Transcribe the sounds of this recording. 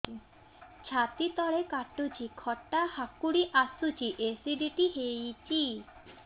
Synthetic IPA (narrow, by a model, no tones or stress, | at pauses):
t͡ɕʰat̪it̪ɔɽekaʈːut͡ɕikʰɔʈːahakːuɽiʔasut͡ɕiʔesiɖiʈiɦejt͡ɕi